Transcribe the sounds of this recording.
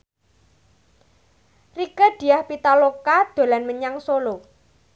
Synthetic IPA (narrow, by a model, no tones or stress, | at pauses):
rikəd̪̥i̤jahpit̪alokad̪̥o̤lanməɲaŋsolo